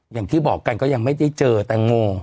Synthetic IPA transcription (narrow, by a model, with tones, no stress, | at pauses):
ja˨˩ŋt̪ʰiː˧˩bɔː˨˩kːa˧nkɔː˦˥ja˧ŋma˦˥˩jt͡ɕa˧˩jt͡ɕɤː˧t̪ɛː˨˩ŋoː˧